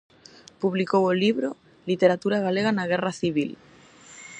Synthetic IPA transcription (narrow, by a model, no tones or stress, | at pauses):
puβlikowoliβɾo | lit̪eɾat̪uɾaɣaleɣanaɣ̞eraθiβ̞il